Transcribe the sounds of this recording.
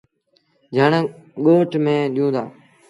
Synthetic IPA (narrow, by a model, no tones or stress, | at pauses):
d͡ʒəːɳːɠoːʈmẽːɗijũːd̪a̰ː